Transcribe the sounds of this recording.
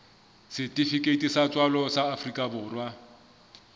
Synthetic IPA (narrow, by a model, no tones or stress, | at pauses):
sɪtʼifikʼetʼisat͡sʼwalɔsaːfrikʼabʊːrwa